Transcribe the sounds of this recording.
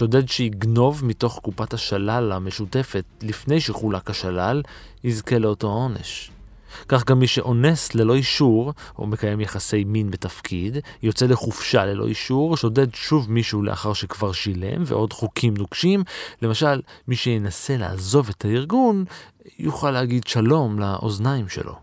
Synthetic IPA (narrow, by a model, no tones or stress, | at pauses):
ʃo̞de̞dʃeiɡno̞vmito̞χkupataʃalalame̞ʃute̞fe̞tlifne̞jʃeχulakaʃalal | hizke̞leo̞to̞ao̞ne̞̰ʃ | kaχɡamːiʃe̞ʔo̞nesle̞lo̞iʃuʁo̰me̞kaje̞mjaχase̞jminbetafkʰidjo̞t͡se̞le̞χufʃale̞lo̰ʔiʃuʁʃo̞de̞dʃuvmiʃuːlḛʔa̰χaʁʃekvaʁʃile̞̰mve̞̰ʔo̞dχukʰimnuɡʃimle̞maʃalmiʃejenase̞la̰ːzo̞ve̞tʰaiʁɡun | juχalehaɡidʃalo̞mlaʔo̞̰znaimʃḛlʔo̞̰